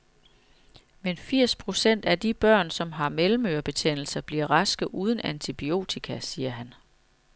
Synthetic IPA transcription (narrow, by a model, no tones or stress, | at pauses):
menfiɐ̰spʰʁo̝sen̰d̥æd̥ib̥ɶɐ̰nsɒ̽mɦɑ̈melm̩øɐb̥e̝t͡sʰen̰l̩sɐb̥liɐ̰ʁɑ̈sɡ̥ðˠʔuːð̞ˠn̩ænt͡sʰib̥io̝̰ːt͡sʰikʰæsiːɐɦæn